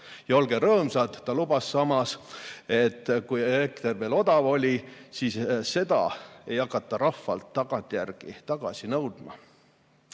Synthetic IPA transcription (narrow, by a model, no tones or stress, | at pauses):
jɑo̞lɡeɾɤːmsɑt̪ːɑlubɑsːɑmɑse̞t̪ːˑkujelekt̪erve̞ːlo̞d̪ɑvo̞lʲisiːsse̞d̪̥ɑ̰e̞jɑkːˑɑt̪ˑːɑɾɑfːɑ̰lt̪ːɑɡ̥ɑnt̪ʲːˑjærɡ̥it̪ɑɡ̥ɑsinɤwd̪̥mɑ̰